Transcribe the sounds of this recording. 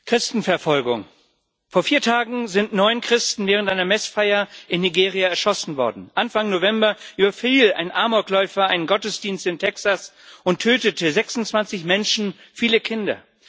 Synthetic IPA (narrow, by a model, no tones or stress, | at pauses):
kʁ̥ɪstn̩fɛɐfɔlɡʊ̰ŋ | foːɐfiːɐtʰaːɡŋ̩zɪntnɔʏnkʁ̥ɪstn̩vɛːʁ̞əntʔaɪnɐmɛsfaɪɐʔɪnːiɡeːʁiaɛɐʃɔsn̩vɔɐdn̩ʔanfaŋnovɛmbɐʔyːbɐfiːlʔa̰ɪnʔaɐmɔklɔʏfɐaɪnənɡɔtəsd̥iːnstɪntʰɛksas | ʊntʰːøːtətʰəzɛksʊnt͡sv̥ant͡sɪçmɛnʃn̩ | fiːləkʰɪndɐ̰